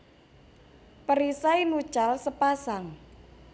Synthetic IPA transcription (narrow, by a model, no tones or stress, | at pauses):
pəɾisainu̥ʒ̥alsəpasaŋ